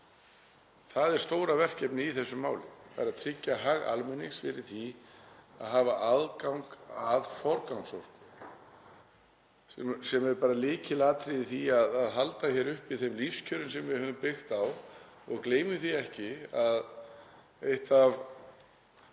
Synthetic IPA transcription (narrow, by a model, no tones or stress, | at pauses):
θaðɛɾ̥st̪oːwɾavɛr̥cɛpnɪiθɛsːʏmːaːwlɪa̰ɾaðt̪ʰɾɪcːaɦaɣa̰lmɛnːɪsfɪɾɪɾ̥θi | a̰ðɦaːvaʔaðkawŋkavfɔɾkawŋsɔr̥kn | sɛsɛmɛɾpaːɾalɪːcɪlaːt̪ɾiðɪθiaðaðɦalt̪açɛɾʏhpiθɛmlifscʰœːɾʏnsɛmvɪhœːvʏmpɪxt̪aw | ɔ̰ɣkleːjmʏθiɛhcɪað | ejht̪av